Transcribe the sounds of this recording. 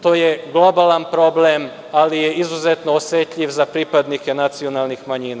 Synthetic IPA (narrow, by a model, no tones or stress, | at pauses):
t̪o̞ːje̞ɡlˠo̞balanpɾo̞blem | alijeizuzet̪noosjet̪ʎiʋzapɾipad̪nike̞nat̪sio̞nalnixmaɲiːna